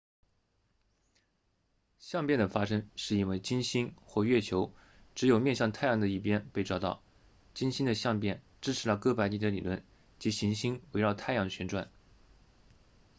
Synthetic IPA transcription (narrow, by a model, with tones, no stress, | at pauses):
ɕjɑ˥˧ŋpjɛ˥˩nd̪ə˩fa˥ʂɤ˥ŋʂɻ̩˥˩i˥nwe˥˩ɪt͡ɕi˥nɕi˥nxwɔ˥˧ɥɛ˥˩t͡ɕʰjo˧˥ʊʈ͡ʂɻ̩˧˥jo˨˩mjɛ˥˧nɕjɑ˥˧ŋt̪ʰa˥˩ɪjɑ˧˥ŋd̪ə˧i˥˩p̬jɛ˥npe˥˧ɪʈ͡ʂɑ˥˧ʊt̪ɑ̰˥˩ʊ | t͡ɕi˥nɕi˥nd̪ə˨ɕjɑ˥˧ŋpjɛ˥˩n | ʈ͡ʂɻ̩˥ʈ͡ʂ̩ʰ˧˥lə˥˧˩kɤ˥pa˧˥ɪt̪i˧˥d̪ə˧˦li˨˩lwə̰˥˩n | t͡ɕi˧˥ɕi˧˥ŋɕi˥ŋwe˧˥ɪɻɑ˥˧ʊt̪ʰa˥˩ɪjɑ˥ŋə˩ɕɥɛ˧˥nʈ͡ʂwa̰˥˩n